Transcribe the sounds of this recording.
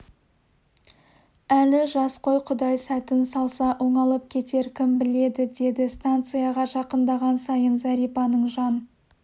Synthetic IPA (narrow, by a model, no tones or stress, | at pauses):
ælɪʒɑsqo̞jqʰʊd̪ɑjsæt̪ɪnsɑlˠsɑʔoɴɑlˠəp̚kʲʰe̞t̪e̞ɾkʲʰɪmbɪle̞d̪ɪd̪e̞d̪ɪst̪ant̪sɨjɑʁɑʒɑqənd̪ɑʁɑnsɑjənzæɾijpɑnəɴʒɑn